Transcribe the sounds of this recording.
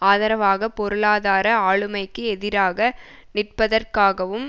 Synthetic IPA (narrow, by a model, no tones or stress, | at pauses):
aːðɐɾɐʋaːɣɐpɔɾɯɭaːðaːɾɐaːɭɯmɐɪkːɯɛðɪɾaːɣɐ | nɪrpɐðɐrkaːɣɐʋɯm